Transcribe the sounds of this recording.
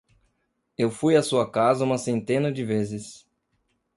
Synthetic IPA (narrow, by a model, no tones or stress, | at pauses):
ewfujɐsuɐkazɐũmɐsẽnt̪ẽnɐd͡ʒɪvezɪs